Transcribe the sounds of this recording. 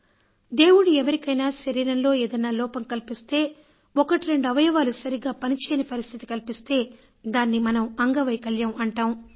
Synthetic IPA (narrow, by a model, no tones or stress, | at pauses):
d̪e̞ːwuɽiɛʋɐɾikɐjnaːʃɐɾiːɾɐnlo̞ːeːd̪ɐnːaːlɔːpɐmkɐlpist̪e̞ː | ɔkɐʈiɾe̞ɳɖuɐʋɐjɐʋaːlusɐɾiɡaːpɐnit͡ʃɛːjnipɐɾist̪ʰit̪i̥kɐlpist̪e̞ː | d̪aːnːimɐnɐmɐŋɡɐʋɐjkɐljɐmɐɳʈaːm